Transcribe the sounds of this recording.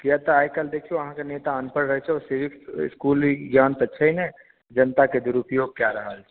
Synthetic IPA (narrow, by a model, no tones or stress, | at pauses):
kijat̪aaːjkəld̪eːkʰijõɐɦãkaneːt̪aənpəɽɾəɦɛt͡ʃʰɛɔːɾseːʋɪkɪ̰skuːlɡjãːnt̪ɐtːʃʰaɦinɛ | d͡ʒɐnt̪aked̪ʊɾʊpjoːɡ̚kjaɾɐɦalɛ̥